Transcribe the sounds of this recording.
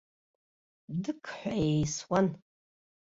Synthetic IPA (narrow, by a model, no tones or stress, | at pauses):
dɨkʰħʷᶣaejswan